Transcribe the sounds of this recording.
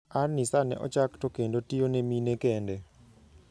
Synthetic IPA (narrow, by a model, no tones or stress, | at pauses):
arnisanɛ̰ʔɔ̰t͡ʃaktɔkendotijoneminekɛndɛ